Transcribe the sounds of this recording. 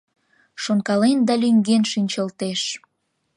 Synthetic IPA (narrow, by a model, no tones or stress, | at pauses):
ʃonkɑlend̪ɑlʲyŋɡenʃinʲt͡ɕəlt̪eʃ